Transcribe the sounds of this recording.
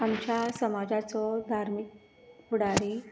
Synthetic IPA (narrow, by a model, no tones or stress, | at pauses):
amt͡ɕjasəmad͡ʑat͡sɔd̪ʱaɾmik̚ | puɽaɾe